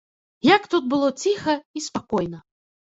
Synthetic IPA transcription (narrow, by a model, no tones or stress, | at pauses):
jakt̪ut̪̚bɨlˠɔt͡sʲixɐispakɔjnɐ